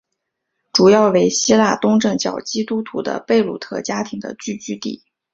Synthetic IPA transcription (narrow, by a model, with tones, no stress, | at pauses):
ʈ͡ʂu˨˩jɑ˥˩ʊwe˧˥ɪɕi˥la˥˩t̪ʊ˥ŋʈ͡ʂɤ˥˩ŋt͡ɕjɑ̰˨˩ʊt͡ɕi˥t̪u˥t̪ʰu˧˥d̪ə̰˧pe˥˧ɪlṵ˨˩t̪ʰɤ̰˥˩t͡ɕja˥t̪ʰi˧˥ŋd̪ə̰˧t͡ɕy˥˩t͡ɕy˥t̪ḭ˥˩